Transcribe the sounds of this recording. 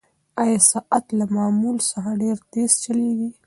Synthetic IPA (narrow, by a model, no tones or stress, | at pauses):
ajasaʔat̪lamɑmulsaxaɖeɾt̪est͡ʃalewi